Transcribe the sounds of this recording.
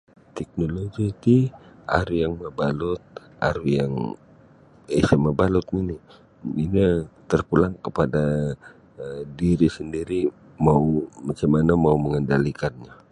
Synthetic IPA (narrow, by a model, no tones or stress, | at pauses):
t̪ɛk̚noloɡit̪ia̰ɾujaŋməbalʊt̪̚ | a̰ɾujaŋ | esaməbalʊt̪̚ninɪ | iɲat̪ərpulaŋkəpada | diɾisəndiɾi | maumat͡ʃamanamauməŋəndalikanɲa